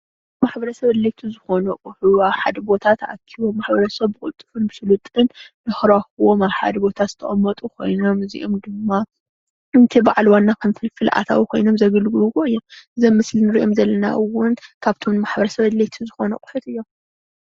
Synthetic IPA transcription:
maħbɐɾɐsɐβɐd̪let̪ʰuzɨxo̞nuqʼʊħuaβħad̪ɐbo̞t̪ʰat̪ʰʔa̰kʰiβomaħbɐɾɐsɐβːɨkʼʊlt̪ʼːɨ̥fɨnbɨsɨlut̪ʼɨnː | ɨxɾaxuwomaβħa̰d̪ɐbo̞t̪ʰat̪zɨ̥t̪ʰɐʔʼɐmːɐt̪ʼukʰo̞̰jno̞mɨzḭʔomd̪ɨmːa | ɨnt̪ʰibaʕlwanːakʰɐmfɨlfɨlʔa̰t̪ʰa̰wikʰo̞jno̞mzɐɡɨlɡɨluwoɨjːomɨzɐmːɨslinɨɾiʔo̞mzɐlːɐna̰ʔɨwːʊnkʰaβt̪ʰomnɨmaħbɐɾɐsɐβɐd̪let̪ʰuzɨxo̞nɐkʼʊħɨt̪ɨjːo̞m

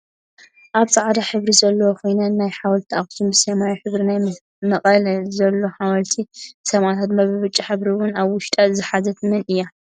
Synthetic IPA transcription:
ʔaβsʼaʕd̪aħɨβɾizɐlːɐwokʰo̞jnanːajħawɐlt̪ʰiaχʼsumbɨsemajiħɨβɾinaj | mɐχʼɐlzɐlːoħawɐlt̪ʰisɐmʔat̪ʰat̪mɐβɨβɨt͡ʃʼːiħɨβɾiwʊnaβwʊʃt̪ʼazɨħazɐt̪ʰmɨnɨjːa

